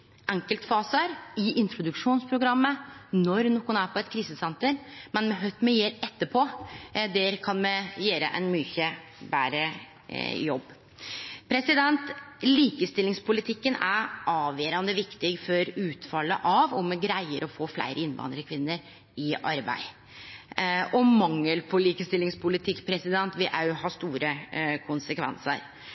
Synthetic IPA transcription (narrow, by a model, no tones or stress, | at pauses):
ʔɛŋkəlt̪fɑːsəɾɪʔɪnt̪ɾʊd̪ʉkʂuːnspʰɾʊɡɾɑmːənɔɾnɔːkʊnæːɾpʰɔɛt̪kʰɾiːsəsɛnt̪əɾmɛnmɛɦœʏt̪mɛjeːɾɛt̪ːəpʰɔːd̪ɛɾkʰɑnmɛjeːɾə̰ʔɛ̰nmyːçəbæːɾə | jɔbː | pʰɾɛsɪd̪ɛnt̪liːkəst̪ɪlːɪŋspʊlɪt̪ʰɪkːənæʔɑːʋjeːɾɑnd̪əʋɪkt̪ɪɡfɔɾʉːt̪fɑlːəʔɑʋɔmɛɡɾæɪəɾʔɔfoːflæ̰ɪɾəɪnʋɑ̰ːnd̪ɾəkʰʋɪnːəɾ | ɪʔɑ̰ɾbæ̰ɪ | ʔɔmɑŋːəlpʰɔliːkəst̪ɪlːɪŋspʰʊlɪt̪ʰɪkːpʰɾɛsɪd̪ɛnt̪ʋɪʔæhɑst̪uːɾəkʰʊnsəkʰʋɛ̰nsə̰ɾ